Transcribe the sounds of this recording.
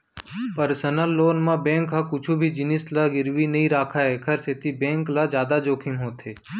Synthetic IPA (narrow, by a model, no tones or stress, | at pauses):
pəɾsənəlːoːnmãbẽːŋkɦakʊt͡ʃʰubʱid͡ʒɪnɪslaɡɪɾʋinɐɦĩɾaːkʰaekʰəɾset̪ʰibẽːŋklad͡ʒjaːd̪ad͡ʒoːkʰɪ̃ŋɦoːt̪ɦeː